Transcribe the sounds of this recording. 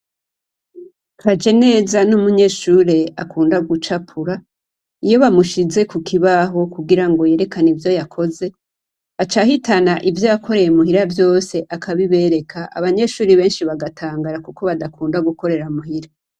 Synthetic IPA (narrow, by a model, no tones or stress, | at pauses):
kʰad͡ʒe̞ne̞ːzanumuɲe̞ʃuːɾe̞akuːndaɡut͡ʃapʰuɾa | ijo̞βamuʃize̞kukʰiβaɦo̞kuɡiɾaŋɡo̞je̞ːɾe̞kanivjo̞jakʰo̞ze̞ | at͡ʃahitʰanaʔivjo̞jakʰo̞ɾe̞jemuɦiɾavjo̞ːse̞ʔakʰaβiβe̞ɾe̞kʰaʔa̰βaɲe̞ʃuːɾiβe̞ːnʃiβaɡatʰaːŋɡaɾakuko̞βadakuːndaɡuko̞ɾe̞ɾamuhiɾa